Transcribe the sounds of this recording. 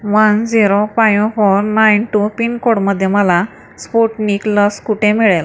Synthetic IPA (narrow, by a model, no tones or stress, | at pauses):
ʋənd͡ziɾopajõfoɾnajnʈupinkoɽməd̪ʱːjeməla | spoʈnikləskuʈʰemiɭel